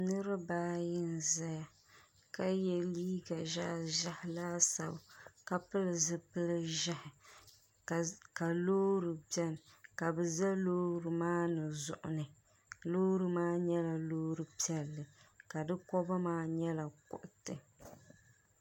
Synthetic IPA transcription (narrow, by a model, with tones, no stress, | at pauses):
nɨ˦ɾɨ˦baː˦jɪ˦nza˦ja˨ | ka˦jɛ˨liː˦ɡa˨ʒa˦˨ʒa˦hɪ˨laː˦sa̰˨bka˨pɨ˦lɨ˨zɨ˦pɨ˦lɨ˦ʒa˦hɪ˨ | ka˨loː˦ɾɨ˨bɛ˦lka˨bɨ˨za˦loː˦ɾɨ˨maː˦nɨ˨zʊ̰˨ʔʊ̰˨nɨ˨ | loː˦ɾɨ˦maː˦ɲɛ˦la˨loː˦ɾɨ˨pi˦ɛ˨lːɨ˨ka˨dɨ˦kɔ˦ba˦maː˦ɲɛ˦la˨kʊ̰˨ʔʊ˨tɨ˨